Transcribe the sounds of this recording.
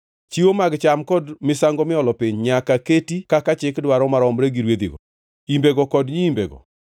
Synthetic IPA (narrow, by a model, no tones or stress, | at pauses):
t͡ʃiwomaɡt͡ʃamkɔdmɪsaŋɡɔmɪɔlɔpiɲɲakaketikakat͡ʃɪkdwaɾɔmaɾɔmɾeɡiɾwed̪ḭɡɔ̰ | imbeɡɔkɔdɲiːmbeɡɔ̰